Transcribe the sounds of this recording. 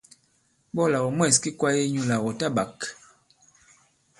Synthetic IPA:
bɔ˦˨la˨wɔ˨mwɛ˦˨ski˦kwa˦je˦ɲu˦la˨wɔ˨ta˦˨ba˨k

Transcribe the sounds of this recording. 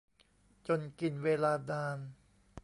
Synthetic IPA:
t͡ɕo˧nki˨˩nweː˧laː˧daː˧n

